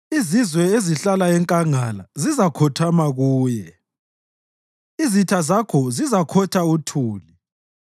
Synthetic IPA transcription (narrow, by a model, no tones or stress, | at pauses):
izizwɛeziɬalaɛŋkʼaŋalazizakʰɔtʰamaɣuːjɛ | izitʰazakʰɔzizakʰɔtʰautʰuːli